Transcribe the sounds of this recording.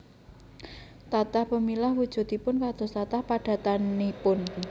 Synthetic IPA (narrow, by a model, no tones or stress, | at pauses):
t̪at̪ahpəmilahwud̥ʒ̥ṳt̪ipʊnkad̪̥o̤st̪at̪ahpaɖ̥a̤t̪anipʊn